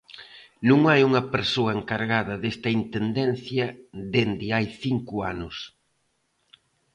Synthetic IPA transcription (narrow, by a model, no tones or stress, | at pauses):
nũŋajuŋɐpeɾsoɐeŋkaɾɣaðɐðest̪ɐint̪end̪ɛn̟θjɐd̪end̪ɪajθiŋkʊa̰nʊs